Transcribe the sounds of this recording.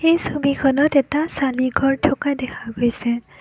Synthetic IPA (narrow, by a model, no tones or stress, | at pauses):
xejsobikʰɔnɔtɛtasaliɡʱɔɹtʰɔkadɛkʰaɡojsɛ